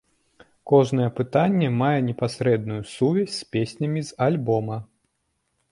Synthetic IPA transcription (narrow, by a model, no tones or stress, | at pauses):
kɔʐn̪ɐjɛpɨt̪anʲːɛmajɛnʲɛpasɾɛd̪nujusuvʲɛsʲspʲesʲnʲɐmʲizalʲbɔmɐ